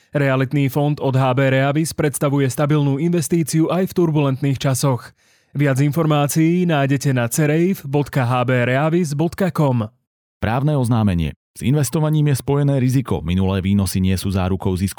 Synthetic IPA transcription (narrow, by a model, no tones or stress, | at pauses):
ɾɛalit̪niːfɔnd̪ɔd̪ɦaːbɛːɾɛaʋispɾɛt̪st̪aʋujɛst̪abilnuːinʋɛst̪iːt͡siuʔajft̪uɾbulɛnt̪niːxt͡ʃasɔx | ʋɪad͡zinfɔɾmaːt͡siːnaːjɟɛcɛnat͡sɛɾɛjfbɔt̪kaɦaːbɛːɾɛaʋizbɔt̪kakɔm | pɾaːʊnɛːɔznaːmɛɲɪɛ̰ | z̥ḭnʋɛst̪ɔʋaɲiːmjɛspɔjɛnɛːɾizikɔ̰minulɛːʋiːnɔsiɲɪɛsuːzaːɾukɔʊzisk